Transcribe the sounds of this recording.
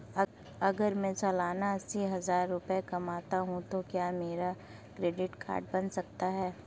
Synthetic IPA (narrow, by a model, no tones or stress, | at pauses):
ɐɡəɾmɛ̃t͡ʃɐlaːnaɐsiɦɐzaːɾːʊpekɐmaːt̪aɦũt̪okjaːmeːɾa | kɾeːɖɪʈkʰa̰ːɾʈ̚bɐnsɐk̚t̪aɦɛː